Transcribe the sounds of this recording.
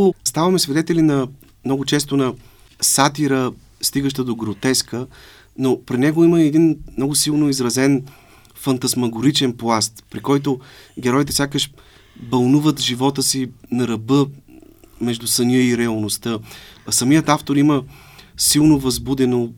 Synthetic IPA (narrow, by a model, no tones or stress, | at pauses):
st̪avɐmɛsvɛd̪ɛt̪ɛlinɐ | mnɔɡʊt͡ʃɛs̬t̪onɐ | sat̪iɾə | st̪iɡəʃt̪əd̪oɡɾot̪ɛskə | nopɾinɛɡoiməɛd̪inmnɔɡʊsilˠnoizɾɐzɛn | fɐnt̪ɐsmɐɡʊɾit͡ʃɛnplˠast̪pɾikɔjt̪oɡʲɛɾɔjit̪ɛsʲakəʃ | bɐlˠnuvət̪ʒivɔt̪əsinɐɾɐbɤ | mɛʒd̪usɐniəiɾɛɐlˠnost̪ɤsɐmiət̪aft̪oɾimə | silˠnovɐzbud̪ɛno